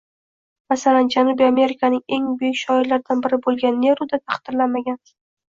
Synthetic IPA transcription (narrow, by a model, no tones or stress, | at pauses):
masaland͡ʒanubiame̞ɾɪkʰanɪŋe̞ŋbʊjɪkʲʃɒɪɾlaɾd̪anbɪɾɪbolˠɡʲanːe̞ɾud̪at̪ʰaχqd̪ɪɾlanmaɡʲan